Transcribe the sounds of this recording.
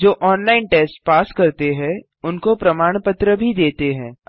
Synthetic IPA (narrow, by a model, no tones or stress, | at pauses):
d͡ʒoːʔɔːnlaːɪnʈeːsʈpaːskɐɾt̪eɦɛ̃ | ʊnkopɾɐmaːɽ̃pət̪ɾəbʱid̪eːt̪eɦɛ̃ː